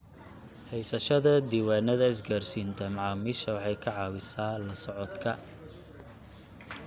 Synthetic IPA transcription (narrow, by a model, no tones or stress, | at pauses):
hɛjsɐʃɐðɐd̪iːwaːnɐðɐɪs̬ɡaːrsiːnt̪ʰɐmɑʕɑːmɪʃɐwɑħɑjkʰɐʕɑːwɪsaːlɐsɔʕɔd̪kʰɐ